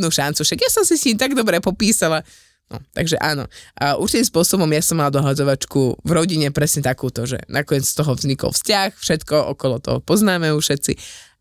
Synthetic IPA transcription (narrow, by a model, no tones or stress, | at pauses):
nuːʃant͡sufʃaɡjasɔmsisɲiːmt̪aɡd̪ɔbɾɛpɔpiːsala | nɔ̰t̪a̰ɡʒɛʔaːnɔ̰ʔṵɾt͡ʃit̪iːmspʊɔsɔbɔmjasɔmːalad̪ɔɦad͡zɔʋat͡ʃkuvɾɔɟiɲɛpɾɛsɲɛt̪akuːt̪ɔʒɛ̰nʔakɔɲɪɛt͡sst̪ɔɦɔvzɲikɔ̰lfscaxfʃɛt̪kɔʔɔ̰kɔlɔt̪ɔ̰ɦɔpɔznaːmɛjuːfʃɛt̪t͡sḭ